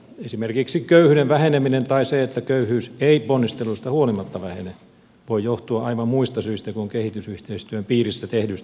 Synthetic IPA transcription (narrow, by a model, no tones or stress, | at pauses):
esimerkiksikøyhyneʋʋæheneminent̪ɑiseet̪ːækøyhyːseiponːist̪elːust̪æhuolimɑt̪ːɑʋæhene | ʋoijoht̪uɑʔɑiʋɑmmuist̪ɑsyist̪ækuŋkehit̪ysyht̪eist̪yømpiːrisːæt̪ehdys